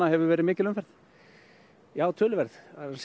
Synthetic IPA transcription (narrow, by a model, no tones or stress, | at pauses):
ahɛvʏvɛːɾɪmɪːcɪlʏnfɛɾθ | jaːwt̪ʰʏːlvɛɾðθas